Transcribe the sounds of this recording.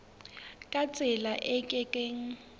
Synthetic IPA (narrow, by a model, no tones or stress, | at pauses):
kʼat͡sʼɪlaʔɛkʼɛkʼeːŋ̩